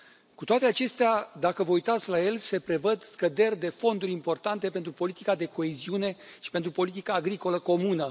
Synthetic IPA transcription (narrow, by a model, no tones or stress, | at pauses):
kut̪oat̪eat͡ʃe̞st̪ead̪akəvəujt̪at̪sʲlaje̞lse̞pɾe̞vəd̪skəd̪e̞rʲd̪e̞fo̞nd̪uɾʲimpo̞rt̪ant̪e̞pent̪ɾupo̞lit̪ikad̪e̞ko̞eziune̞ʃi̥pe̞nt̪ɾupo̞lit̪ikaːɡɾiko̞ləko̞munə